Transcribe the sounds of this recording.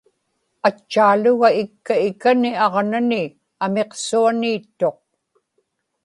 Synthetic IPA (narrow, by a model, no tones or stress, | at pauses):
at͡ʃːaːlʊɣaɪkːaɪkaniɑʁnanɪ | ame̞qsuaniːt̪ːo̞q̚